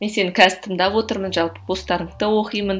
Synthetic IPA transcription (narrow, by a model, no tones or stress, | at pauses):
me̞nse̞nɪkʲʰæzɪt̪ʰəmd̪ɑpwo̞t̪əɾmənʒɑlˠpəb̥ost̪ɑɾəɴt̪əwo̞qijmən